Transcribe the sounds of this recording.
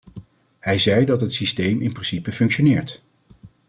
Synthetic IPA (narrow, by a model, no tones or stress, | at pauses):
hɛjzɛjdɑtɦətsistejmɪnprɪnsipəfɵŋkʃonɪːɹt